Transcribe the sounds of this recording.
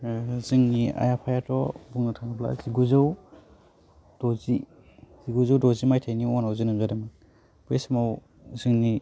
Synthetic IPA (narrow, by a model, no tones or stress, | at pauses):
zɯŋnia̰japʰajatɔbuŋnatʰaŋnɯbla̰ziɡuzaw | d̥ɔzi | ziɡuzawdɔzimajtʰajniɔŋnawzinamzadamɯ | besmaw | zɯŋni